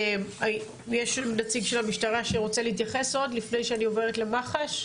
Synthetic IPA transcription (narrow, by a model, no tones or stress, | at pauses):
ma | jeʃnat͡siɡʃe̞lhamiʃtaʁaʃeʁo̞t͡seleit̪jaχe̞so̞dlifne̞jʃeanio̞veʁ̞etlemaχaʃ